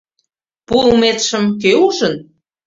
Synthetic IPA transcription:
pumet̪ʃə̆mk̬øuʒən

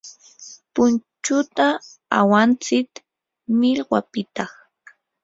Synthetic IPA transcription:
pʊnt͡ʃʊt̪aa̰want͡sɪk | mɪʎɢwa̰pɪt̪ɑχ

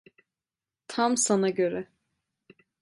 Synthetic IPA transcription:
t̪ʰamsanaɟø̞ɾɛ

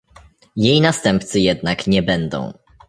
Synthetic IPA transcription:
jejnast̪ɛmp̚t̪sɘjɛd̪nakɲɛbɛnd̪ɔ̰̃w̃

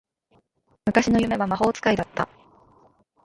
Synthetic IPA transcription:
mɯ̟kaɕino̞jɯ̟me̞βamaɦo̞ːt͡sɨ̥kaid̪at̪ːa̰

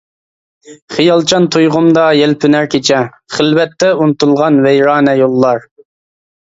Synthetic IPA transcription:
χijɑlˠt͡ʃʰɑnt̪ʰujʁʊmd̪ɑjɛlpʰynæɾkʲʰet͡ʃʰɛ | χəlwɛt̪ʰːɛunɨt̪ulˠʁɑnwɛjɾɑːnɛjolˠːɑɾ

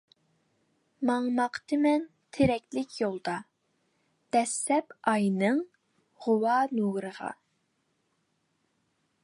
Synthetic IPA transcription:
mɑŋmɑqt̪ʰɨmɛn | t̪ʰeɾɛk̚ʲlɪkʲjolˠd̪ɑ | d̪̥ɛsːɛpɑjnɨŋ | ʁʊwɑnuɡɾəʁɑ̰

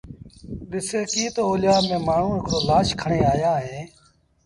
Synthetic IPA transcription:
ɗɪseːkiːt̪oːoːlɪjaːmẽːmaːɳ̤ũːɪkɾoːlaːʃkʰəɳeːaːjaːɦẽː

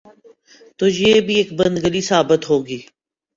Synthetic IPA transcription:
t̪ʊd͡ʒjeːbʱieːkbə̃nd̪ɡəlisaːbət̪ɦoːɡiː

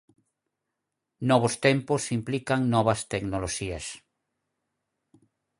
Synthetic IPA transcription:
nɔβ̞ost̪emposimplikaŋnɔβɐst̪eknoloʃias

